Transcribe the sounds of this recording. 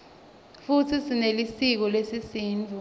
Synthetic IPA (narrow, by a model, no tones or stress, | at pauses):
futʰisinelisik̬ɔlesisiːnd͡ɮʱu